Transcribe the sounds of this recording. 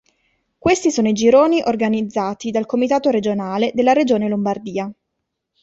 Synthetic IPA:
kwest̪isoːnoid͡ʒiɾoːniʔorɡanid̪zːaːt̪id̪alkomit̪aːt̪oɾed͡ʒonaːled̪elːaɾed͡ʒoːnelombard̪iːa

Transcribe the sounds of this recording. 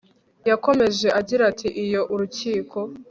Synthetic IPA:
jako̞me̞ʒe̞ʔaɟiɾatʰiʔijo̞ʔuɾuciːkʰo̞

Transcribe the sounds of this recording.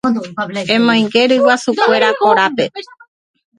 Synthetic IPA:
ẽmõj̃ŋɡe̞ɾɨwasukʷe̞ɾakoɾape̞

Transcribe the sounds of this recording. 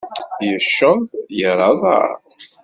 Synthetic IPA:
jəʃːəðˤjəɾˤɑðˤa̰ɾ

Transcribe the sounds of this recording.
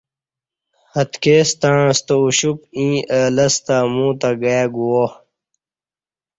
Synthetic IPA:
hɐt̪keːst̪aɻ̃st̪ouɕup̚ĩːəːlɐst̪amũːt̪aɡajaɡuwo

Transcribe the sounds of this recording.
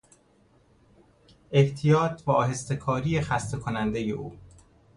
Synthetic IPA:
ʔe̞ht̪ʰijɒːt̪ʰbɒːɦe̞st̪e̞kʰɒːɾiːexæst̪ʰekʰonænd̪e̞jḛʔuː

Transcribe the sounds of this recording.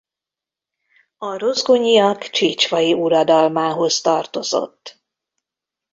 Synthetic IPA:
ɒrozɡoɲiɒkt͡ʃiːt͡ʃʋɒjiʔuɾɒd̪ɒlmaːɦo̞zt̪ɒrt̪o̞zo̞̰t̪ː

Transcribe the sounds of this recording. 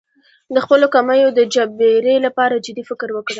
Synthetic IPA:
d̪əxpəlokamajod̪əd͡ʒabeɾelapɑɾad͡ʒɪd̪ifɪkɾwəkɽ

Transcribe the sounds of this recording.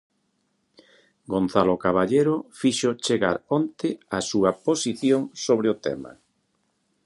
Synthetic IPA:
ɡonθalokaβaʎeɾofiʃʊt͡ʃeɣa̰ɾont̪ɪasuɐposiθjoŋsoβɾeʊt̪ɛ̰ma̰

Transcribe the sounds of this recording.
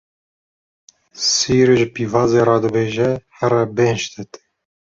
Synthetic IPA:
siːɾʒɨpiːvɑːzeːɾɑːd̪ɨbeːʒɛhɛɾɛbenʃt̪ɨt̪

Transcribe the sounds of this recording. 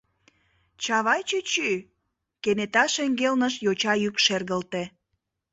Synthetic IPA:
t͡ɕɑβɑjt͡ɕyt͡ɕy | kenet̪ɑʃeŋɡelnəʃjot͡ɕɑjykʃerɣəlt̪e

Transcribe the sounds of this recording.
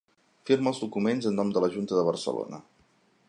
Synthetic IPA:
fiɾməlzðukumenzənːɔmd̪ələʒunt̪əðəβ̞ərsə̰lo̰nə

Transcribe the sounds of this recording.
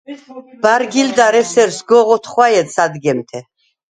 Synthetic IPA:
b̥aɾɡild̪aɾɛsɛɾsɡɔʁɔt̪ʰχwajɛd̪sad̪ɡɛmt̪ʰɛ

